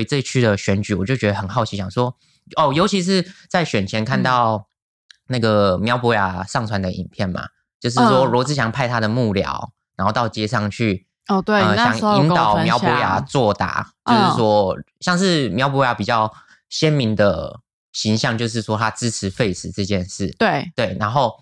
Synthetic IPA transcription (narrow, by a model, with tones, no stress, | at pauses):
i˧˥t͡sɤ˥˧it͡ɕʰy˥˩d̪ə˩ɕɥɛ˧˥nt͡ɕy˨˩˦wɔ˨˩t͡ɕo˥˩ʊt͡ɕɥɛ˧˥d̪ə˧˩ə˨˩nxɑ˥˩ʊt͡ɕʰi˧˥ɕjɑ˨˩ŋswɔ˦ | ɔ˨˩jo˧˥ʊt͡ɕʰi˧˥ʂ̬ɻ̩˥˧t͡sa˥˩ɪɕɥɛ˨˩nt͡ɕʰjɛ˧˥nkʰa˥˧nt̪ɑ˥˩ʊ | na˥˩ɡə˩mjɑ˧˥ʊpwɔ˧˥ja˨˧˩ʂɑ˥˩ŋt͡sʰwa˧˥nd̪ə˨ʔḭ˨˩npʰjɛ˥˩nma̰˩ | t͡ɕjo˥˧ʊʂ̬ɻʂwɔ˥ɻwɔ˧˥t͡sɹ̩˧˥ɕjɑ˨˩ŋpʰa˥˧ɪt̪ʰa˥d̪ə˨mu˥˩ljɑ̰˨˩˦ʊna˧˥xo˥˧ʊt̪ɑ˥˩ʊt͡ɕjɛ˥ʂɑ˥˧ŋt͡ɕʰy˥˩˨ | we˥˧ə˧˩ɕjɑ˨˩ŋi˥nɑ˨˩˦ʊmjɑ˧˥pwɔ˧˥ja̰˨˩˦t͡swɔ˥˩t̪a̰˨˦t͡ɕjo˥˧ʂ̩˩˥˩ʂwɔ˥ɕjɑ˥˧ŋʂɻ̩˥˩mjɑ˧˥ʊp̬ɔ˧˥ja˧˥pi˨˩t͡ɕjɑ˥˩ʊ | ɕjɛ˦˥nmi˧˥ŋd̪ə˨ | ɕi˧˥ŋɕjɑ˥˧ŋt͡ɕjo˥˧ʊʂ̬̩˥˩ʂwɔ˥t̪ʰa˥ʈ͡ʂɻ̩ʰ˥ɻ̩˧˦fe˥˩ɪt͡s̩˨˥t͡sɤ˥˧t͡ɕjɛ˥˧nʂɻ̩˥˩t̪we˥˩t̪we˥˩ɪna˧˥nxo˥˩ʊ